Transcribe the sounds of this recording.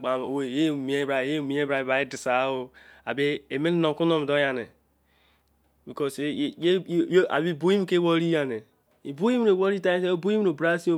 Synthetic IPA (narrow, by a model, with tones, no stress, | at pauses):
ɡ͡ba˨o˨we˨je˦˨mi˨e˦bɾa˨je˦˨mi˨˦e˦bɾa˨ba˨i˦di˨sa˨˦wo˦a˨be˦e˨me˦n˦no˨ku˦no˦m˨do˦ja˨ne˨ | bi˨ko˦sje˦a̰˨bi˦˨bu˦i˦m˦ke˦wo˦ɾi˦ja˨ne˨ | i˨bu˦ji˦m˦no˨wo˦ɾi˦ta˦se˦o˦bo˦ji˦o˨bɾa˦si˦o˦